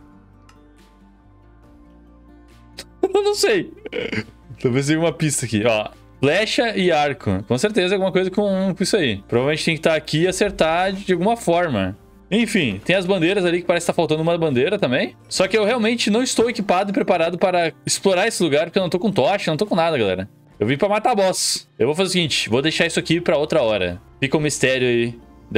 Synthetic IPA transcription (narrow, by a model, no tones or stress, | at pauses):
nɐ̃w̃sej | t̪õpẽs̬jumɐpist̪ɐakḭɔ̰ | flɛʃɐɪaɾkʰʊ̰kõseɾt̪ezɐɛawɡumɐkojzɐkõkõisʊaipɾovavewmẽt͡ʃt̪ẽj̃kɪt̪aɾakiaseɾt̪ad͡ʒɪawɡũmɐfɔɾmɐ̰ | ẽj̃fĩt̪ẽj̃ɐzbɐ̃nd̪eɾɐzalikɪ̥paɾɛsɪkɪ̥t̪afawˠt̪ɐ̃nd̪ʊũmɐbɐ̃nd̪eɾɐt̪ɐ̃mbẽj̃sɔkɪewheawmẽnt͡ʃɪnɐ̃w̃ɪst̪owekipad̪ʊɪpɾepaɾad̪ʊpaɾɐɪsploɾaesɪluɡaɾpoɾkewñw̃t̪okõt̪ɔʃɪñw̃t̪okõnad̪ɐɡalɛ̰ɾɐ | ewvipɾɐmat̪abɔsḛwvowfzeʊsiɡĩt͡ʃɪ̥vod̪ejʃaɾisʊakipɾɐowt̪ɾɐɔɾɐ̰fikɐʊ̃mist̪ɛɾjʊai | d̪